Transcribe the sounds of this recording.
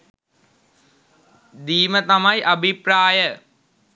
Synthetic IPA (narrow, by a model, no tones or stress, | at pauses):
d̪iːmət̪amajʔɐbʱipɾaːjə